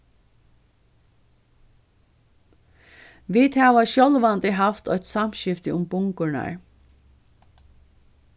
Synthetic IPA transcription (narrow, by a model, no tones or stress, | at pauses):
ʋiːt̪hæːʋaʃjɔlʋand̪ɪɦaft̪ɔʏt̪samɕɪft̪ɪʊmbʊŋkʊɳa̰ɹ